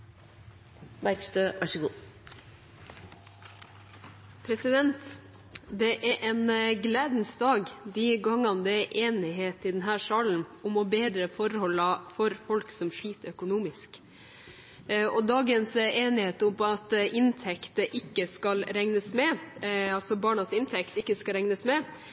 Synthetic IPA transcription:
mæɾkst̪øːʋɑʂəɡuː | pʰɾɛsɪd̪ɛnt̪ | d̪ɛʔæʔɛnɡleːd̪n̩sd̪ɑːɡd̪iɡɑŋːɑnd̪ɛʔeːnɪɦeːt̪ɪd̪ɛnɦæːʂɑːɭn̩ʊmɔbeːd̪ɾəfɔɾhɔlːɑfɔɾfɔlksɔmʂɭiːt̪əœkʊnuːmɪsk | ɔd̪ɑːɡənseːnɪheːt̪ʊmɑt̪ʔɪnt̪ʰɛkt̪əʔɪkːəskɑlɾɛŋnəsmɛɑlsɔbɑːɳɑsɪnt̪ʰɛkt̪ɪkːəskɑɾɛŋnəsmɛ

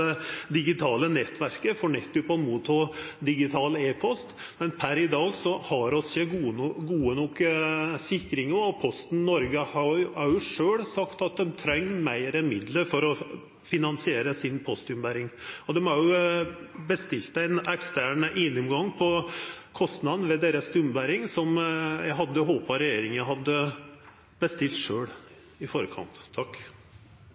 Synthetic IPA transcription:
ɛd̪ɪɡɪt̪ʰɑːlənɛt̪ːʋæɾkəfɔɳɛt̪ːʉpɔmuːt̪ʰod̪ɪɡɪt̪ʰɑːləeːpʰɔst̪ | mɛnpʰæɾɪd̪ɑːɡsɔhɑɾɔsəɡuɡuːənɔksɪkːɾɪŋɔːpʰɔst̪n̩nɔɾɡəhɑɑɾjʊʂøːɽsɑkt̪ɑt̪̚d̪ɛmt̪ʰɾɛŋːmæɪɾənmɪd̪ləɾfɔɾɔ | fɪnɑnsɪeːɾəsɪnpʰɔst̪ʉmbæɾɪŋɔd̪ɛmhɑɾjʊ | bəst̪ɪlt̪æɪnɛkst̪æɳəʔɪnːʉmɡɑŋːpʰɔ | kʰɔst̪nɑd̪n̩ʋɛd̪eːɾəst̪ʉmbæɾɪŋsɔmjæɪɦɑd̪ːəɦoːpɑɾɛjeːɾɪŋəɦɑd̪ːə | bəst̪ɪlt̪ʂøːɽ | ɪfoːɾəkʰɑ̰nt̪ʰːɑkː

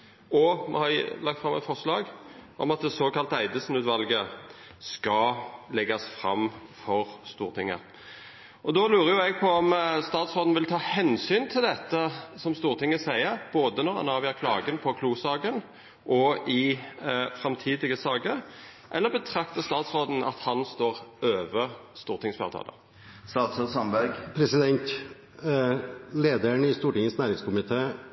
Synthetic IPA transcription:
ɔmɛ̰hɑɾlɑk̚t̪fɾɑmɛ̰t̪fɔʂlɑːɡʔɔ̰mɑt̪̚d̪ɛsoːkɑlt̪æɪd̪əsn̩ʉːt̪ʋɑlɡə | skɑlɛɡɑsfʁɑ̰mːfɔʁst̪uːʁt̪ʰɪŋːə̰ | ʔɔd̪ɔlʉːɾəjʊɛɡ̚pʰɔɔmst̪ɑːt̪sɾoːd̪n̩ʋɪlt̪ʰɑːhɛnsyːnt̪ʰɪld̪ɛt̪ːəsɔmst̪uːʁt̪ʰɪŋːəsæɪəɾb̥oːd̪ənɔʁɑ̰nɑːʋɪæːkʰlɑ̰ːɡənpʰɔkʰluːsɑːɡən | ʔɔɪ | fɾɛmt̪ʰiːd̪ɪɡəsɑːɡəɾ | ʔɛlːəbət̪ʰʁɑkt̪əst̪ɑːt̪sʁoːd̪n̩ɑ̰t̪hɑnst̪oːʁøːʋəʁst̪uːʁt̪ʰɪŋsfɑ̰t̪ʰɑ̰ːlə̰ | st̪ɑːt̪sosɑmbɑɡpʰɾɛsɪd̪ɛnt̪ | leːd̪əɳɪst̪uːʈɪŋənsnæːɾɪŋskʊmɪt̪ʰeː

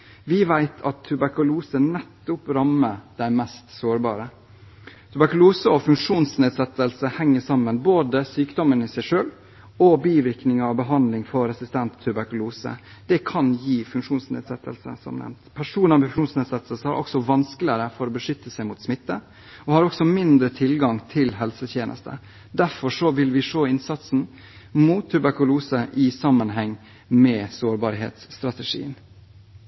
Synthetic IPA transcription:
ʋɪʋæɪt̪ʰɑt̪ʰːʉbæɾkʉluːsənɛt̪ːʊpɾɑməd̪̥æɪmɛst̪soːɾbɑ̰ːɾə | t̪ʰʉbæɾkʉluːsəɔfʉŋkʂuːnsneːd̪sɛt̪ːəlsəhɛŋːəʂɑmːənboːd̪əsyːkd̪ɔmənɪsæɪʂøːl | ɔbiːʋɪɾknɪŋɑʋbəɦɑnd̪lɪŋfɔɾɛsɪst̪ʰɛnt̪ʰːʉbæɾkʉluːsə̰d̪̥ɛkʰɑnjiːfʉŋkʂuːnsnḛːd̪sɛt̪ʰːəlsə̰sɔ̰mnɛ̰mt̪pʰæʂuːnɑmbɪfʂuːnsneːd̪sɛt̪ʰːəlsəhæ̰ɾʔɔ̰ksɔʋɑnsklɪəɾəfɔɾoːbəʂʏt̪ʰːəsæɪmʊt̪smɪt̪ːə | ɔhɑːɾɔksɔmɪnd̪ɾət̪ʰɪlɡɑŋt̪ʰɪlɦɛlsət̪ʰjeːnʔə̰st̪ʰə̰ | d̪æɾfɔʂɔʋɪlʋɪʂoːɪnsɑt̪sn̩ | muːt̪ʰːʉbæɾkʉluːsəʔɪsɑmːənɦɛŋː | mɛːsoːɾbɑːɾɦḛːt̪st̪ɾɑt̪əʂḭːən

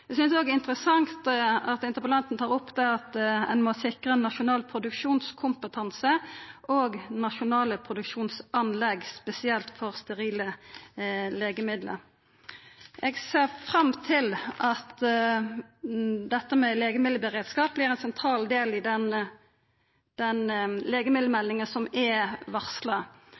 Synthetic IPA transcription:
ɛɡsʏnsd̪oːɡɪnt̪ʁəsɑŋt̪ɑt̪ɪnt̪əpəlɑnt̪n̩t̪ʰɑːʁʊpːd̪æʁɑt̪ɛ̰nmɔsɪkʁənːɑʃʊnɑːlpʰʁʊd̪ʉkʂuːnskʰʊmpət̪ʰɑnsəʔoːɡnɑʃʊnɑːləpʰɾʊd̪ʉkʃuːnsɑnlɛɡspɛsɪɛlt̪fɔʁst̪ɛʁiːlə | leːɡəmɪd̪lə̰ɾ | ʔɛɡseːʁfʁɑmt̪ʰɪlʔɑt̪ | d̪ɛt̪ːəmɛleːɡəmɪd̪ləbəʁeːd̪skɑːp̚blɪːʁɛnsɛnt̪ʰɾɑːld̪eːlɪd̪ɛn | d̪̥ɛnleːɡəmɪd̪ləmɛlːɪŋəsɔmɛʋɑʁslə

